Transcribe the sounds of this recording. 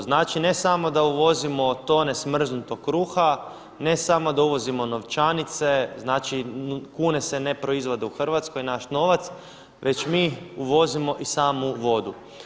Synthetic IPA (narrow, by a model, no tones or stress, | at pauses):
znaːt͡ʃine̞samo̞d̪auʋo̞zimo̞t̪o̞ːne̞smr̩znut̪o̞kkːɾuːxa | ne̞samo̞d̪auʋo̞zimo̞no̞ʋt͡ʃanit̪se̞znaːt͡ʃikuːne̞se̞ne̞pɾo̞izʋo̞d̪euxr̩ʋat̪sko̞jnaʃno̞ʋat̪s | ʋʔe̞t͡ʃmiːuʋo̞zimo̞ʔisaːmuʋo̞d̪u